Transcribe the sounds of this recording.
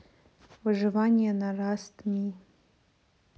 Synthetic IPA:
waʐɨvanʲijanarastʰʼmi

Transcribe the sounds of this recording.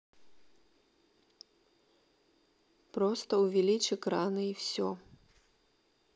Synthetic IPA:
pɾɔst̪ɐwvʲɛlʲit͡ʃɨkɾanɨiwsʲɔ

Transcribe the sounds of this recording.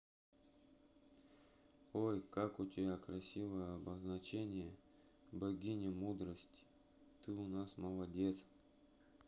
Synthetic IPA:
ojkakʊtʲɪbʲakɾɐsʲivəjəɐbəznɐt͡ɕenʲɪjə | bɐɡʲinʲɪmud̪ɾəsʲtʲ | t̪ɨʊnasməlˠɐdʲe̞t̪s

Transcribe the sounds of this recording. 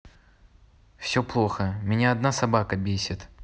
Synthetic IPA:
fsʲoplˠo̞xəmʲɪnʲaɐd̪nasɐbakəbʲesʲɪt̪

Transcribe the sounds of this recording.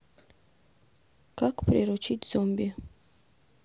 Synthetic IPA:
kakpɾʲeɾot͡ʃit̪ʲz̥ombia

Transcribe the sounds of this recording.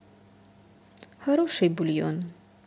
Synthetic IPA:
haɾoʃejbulijo̰n

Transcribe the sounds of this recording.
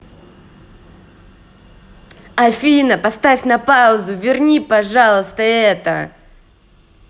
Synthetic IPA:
ɐfʲinəpɐst̪afʲnɐpaʊzʊvʲɪrnʲipɐʐalˠəst̪əɛt̪ə̰

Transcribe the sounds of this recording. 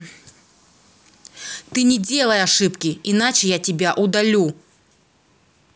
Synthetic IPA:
t̪ɨnʲɛd͡zʲɛlˠɐjaʂɨpkʲiinat͡ʂɨjat͡sʲibʲaʔud̪alʲu

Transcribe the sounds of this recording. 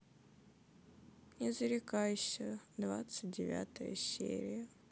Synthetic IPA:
nʲɪzəɾʲɪkajʊɕːɪəd̪vat̪sɨt̚ʲdʲɪvʲa̰t̪əjə̰sʲːḛɾʲɪjə

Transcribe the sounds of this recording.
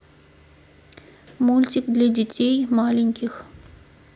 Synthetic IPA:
mulʲtʲikd̪lʲɐdʲɪtʲʰejmalʲɪnʲkʲix

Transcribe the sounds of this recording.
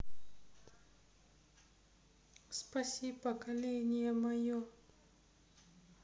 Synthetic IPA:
spɐsʲipɐkɐlʲenʲijɛmɐjɔ

